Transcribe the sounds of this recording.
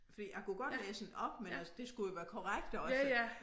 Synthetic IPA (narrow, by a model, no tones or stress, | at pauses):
fɒ̽d̥ḭːjaɪkuɡ̥ɒ̽dlɛ̰ːsɒnɒ̽b̥menæsəd̥e̝sɡ̥ujo̝ʋæːɐkʰɒʁaɡ̥d̥ɒ̽sə